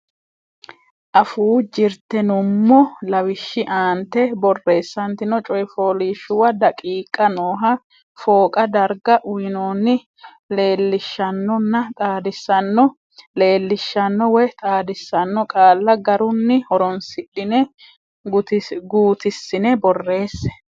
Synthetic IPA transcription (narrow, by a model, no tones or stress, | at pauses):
ʔɐfuːd͡ʒɪɾt̪ɛnʊmːɔlɐwɪʃːɪʔaːnt̪ɛbɔrːe̞ːsːɐnt̪ɪnɔt͡ʃʼɔjɪfoːliːʃʊwɐd̪ɐkʼiːkʼːɐnoːɦɐ | fo̞ːkʼɐd̪ɐɾɡɐʔʊjɪnoːnːɪ | le̞ːlːɪʃːɐnːɔnːɐt̪ʼaːd̪ɪsːɐnːɔ | le̞ːlːɪʃːɐnːɔwɛjt̪ʼaːd̪ɪsːɐnːɔkʼaːlːɐɡɐɾʊnːɪhɔɾɔnsɪᶑɪnɛ | ɡt̪ɡuːt̪ɪsːɪnɛbɔrːe̞ːsːɛ̥